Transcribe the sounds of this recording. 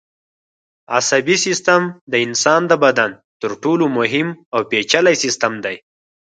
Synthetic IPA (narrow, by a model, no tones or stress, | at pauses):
a̰sabisɪst̪amd̪əɪnsɑnd̪əbad̪an | t̪əɾʈolomʊɦɪmawpet͡ʃalajsɪst̪amd̪aj